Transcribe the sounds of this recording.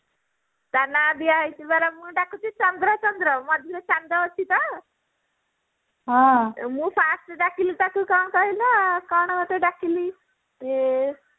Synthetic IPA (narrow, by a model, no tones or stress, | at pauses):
t̪anabiait̪ibaɾamuːɖakʰut̪it͡ɕɔnd̪ɾət͡ɕɔnd̪ɾəmɔd̪ʱuɾet͡ɕand̪aɔt͡ɕʰːit̪a | ɦãmuːpʰasʈɖakilit̪akukaɳkaɦilakaɳkəʈeɖakili | e